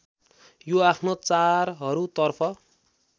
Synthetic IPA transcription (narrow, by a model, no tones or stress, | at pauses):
joapʰnot͡sarɦʌɾut̪ʌrpʰʌ